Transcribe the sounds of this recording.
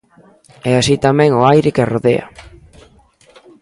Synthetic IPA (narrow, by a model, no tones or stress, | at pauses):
easit̪amẽŋoajɾekeroðea̰